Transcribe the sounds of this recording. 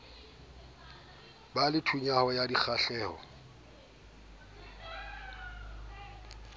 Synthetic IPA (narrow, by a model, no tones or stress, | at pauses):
balɪtʰuɲahɔjadik͡xʰaɬɛːhɔ̰